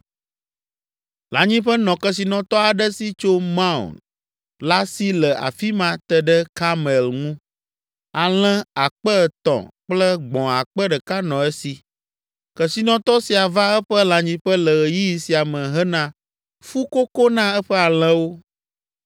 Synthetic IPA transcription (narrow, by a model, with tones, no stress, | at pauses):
lã˨ɲĩ˦ɸə˦nɔ̃˨kə˨s̬i˨nɔ̃˨t̪ɔ˦a˨ɖə˦si˦t͡ʃo˦mã˦ṵ˨n | la˦si˦lə˨a̰˨fi˦mã˦t̪ə˨ɖə˦ka˦mɛ˨lŋũ˦ | a˨l̃ɛ̃˦a˨k͡pə˦˨t̪ɔ̰̃˨k͡plə˦ɡ͡bɔ̃˨a˨k͡pə˦ɖə˨ka˦nɔ̃˨ɛ˦si˨ | kə˨si˨nɔ̃˨t̪ɔ˦si˨a˨va˦ɛ˦ɸə˦lã˨ɲĩ˦ɸə˦lə˨ɣə˨ji˦ji˨si˨a˨mə̃˨ɦə˦nã˦ | fu˦ko˦ko˦nã˦ɛ˦ɸɛ˦a˨l̃ɛ̃˦wo˦